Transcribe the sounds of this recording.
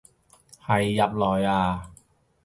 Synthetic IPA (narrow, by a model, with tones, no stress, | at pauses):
hʰa˨˦jːa˧˦˥p̚lɔː˨˦jʔaː˧˩